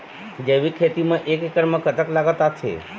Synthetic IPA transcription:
d͡ʒeʋikʰet̪imãʔekekəɾmãkət̪əklaɡət̪at͡ʃʰḛ

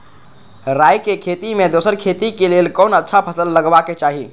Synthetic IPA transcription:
ɾajkekʰet̪imed̪osəɾkʰet̪ikelelkɔːnətːʃʰapʰəsəlːəɡbaket͡ʃaɦi

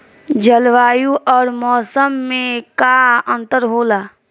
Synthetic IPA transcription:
d͡ʒəlʋaːjuʔɔːɾmɔːsəmːẽkaə̃nt̪əɾɦoːlaː

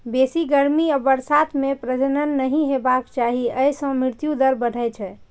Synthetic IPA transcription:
besiɡəɾmiəbəɾsat̪ʰmepɾəd͡ʒənənːəɦĩɦebakt͡ʃaɦiəjsə̃mɾiɾt̪jud̪əɾbəɽ̤ʱəjt͡ʃʰɛ

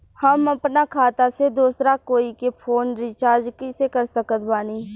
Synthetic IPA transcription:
hɐmɐpnakʰaːt̪ased̪uːsɾakoːikepʰoːnɾɪt͡ʃaːɾd͡ʒkisekəɾsəkət̪baːniː

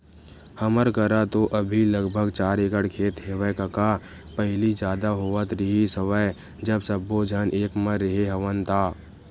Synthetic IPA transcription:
həməɾkəɾat̪oʔəbʱiləɡbʱəɡt͡ʃaːɾeːkəɽkʰeːt̪ɦeːʋəkəka | pəɦɪlid͡ʒjaːd̪aɦoːət̪ɾɪɦisəʋəe | d͡ʒəbsəbːod͡ʒʱənʔeːkmə̃ɾɪɦeɦəʋənt̪ʰaː

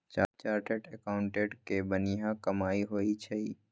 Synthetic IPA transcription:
t͡ʃaːt͡ʃaːɾʈeʈekaːʊ̃ɳʈeʈkebəniɦãkɐmaːiɦoːit͡ʃʰɛi

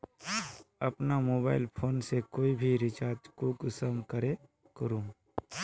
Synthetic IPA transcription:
ɐpnamoːbaːɪlpʰoːnsekoːibʱiɾɪt͡ʃaːɾd͡ʒkuːksəmkəɾe | kəɾũː

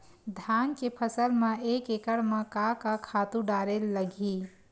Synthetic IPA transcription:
d̪ʱankepʰəsəlmẽekekəɽmẽkakakʰat̪ũɖaːɾelːəɡʱi

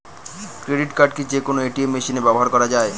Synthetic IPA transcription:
kɾeɖiʈkaɾɖ̚kid͡ʑekonoeʈiemːeʃinebɛboɦaɾkɔɾad͡ʑae

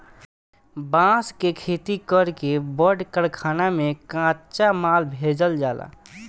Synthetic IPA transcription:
bãskekʰet̪ikəɾkebəɖkəɽkʰanamekãt͡ʃamalbʱed͡ʒəld͡ʒala̰

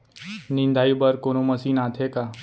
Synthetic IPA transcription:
nind̪ʱaibəɾkoñoməsiːnat̪ʰeka

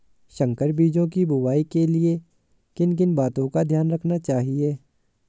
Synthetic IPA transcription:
ʃə̃ŋkəɾbiːd͡ʒõkibʊwaːikelie | kɪnk̬ɪnbaːt̪õkad̪ʱjaːnɾɐkʰnat͡ʃaːɦieː

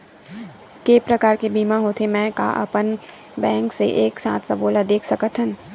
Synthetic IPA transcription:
kepɾəkaːɾkebiːmãɦoːt̪ʰemɛ̃ːka̰ʔɐ̰pən | bɛ̃ːŋksḛʔeːksã̰ːt̪ʰsaboːlad̪eːkʰsɐkət̪ɦə̃n

